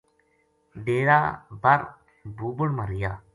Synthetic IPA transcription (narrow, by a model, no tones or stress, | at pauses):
ɖeːɾaːbəɾ | buːbʊɽməɾɪjaː